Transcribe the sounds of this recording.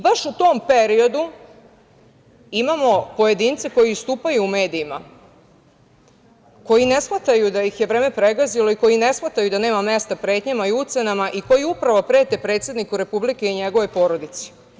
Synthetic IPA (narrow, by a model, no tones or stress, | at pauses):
baʃut̪ompe̞ɾio̞d̪u | imamo̞po̞je̞d̪int̪seko̞jiust̪uːpajuːme̞ːd̪iːma̰ | ko̞jine̞sxmat̪ajud̪ajixje̞ʋɾeːme̞pɾe̞ɡazilo̞iko̞jine̞sxmat̪ajud̪ane̞ːmame̞st̪apɾe̞t̪ɲamaiut̪se̞namaʔiko̞jiupɾaʋopɾe̞ːt̪e̞pɾet̪sed̪nikuɾe̞publikeiɲe̞ɡo̞ʋo̞jpo̞ɾo̞d̪it̪si̥